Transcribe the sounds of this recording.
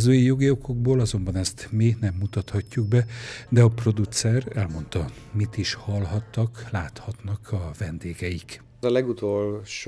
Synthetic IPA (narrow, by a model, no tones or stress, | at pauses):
zøːjjo̞ɡio̞ko̞ɡ̚boːlɒzo̞mbɒnɛst̪minɛmːut̪ɒt̪hɒcːuɡ̚bɛd̪ɛɒpro̞d̪ut̪sɛrɛlmo̞nt̪ɒ | mit̪iʃhɒlɦɒt̪ːɒklaːt̪hɒt̪nɒkʰɒvɛnd̪eːɡɛjik | ɒlɛɡut̪oːlʃ